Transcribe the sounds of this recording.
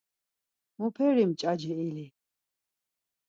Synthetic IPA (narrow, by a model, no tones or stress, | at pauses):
mupʰɛɾimt͡ʃʼad͡ʒɛili